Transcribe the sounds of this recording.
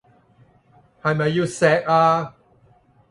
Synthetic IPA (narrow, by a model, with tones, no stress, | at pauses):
hɐ˨jmɐ˨jːu˧sɛː˧k̚aː˧